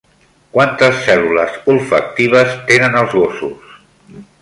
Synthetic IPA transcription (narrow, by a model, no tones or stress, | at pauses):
kwant̪əsːɛluləzulˠfək̚t̪iβ̞əst̪enənəlˠzɣosus